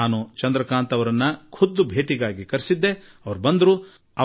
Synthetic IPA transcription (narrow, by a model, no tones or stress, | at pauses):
aːnut͡ʃɐnd̪ɾɐkaːnt̪ɐʋɐɾɐnːɐkʰud̪ːubʱeːʈiɡaːɡikɐɾsid̪ːeɐʋɐɾubɐnd̪ɐɾu | ɐ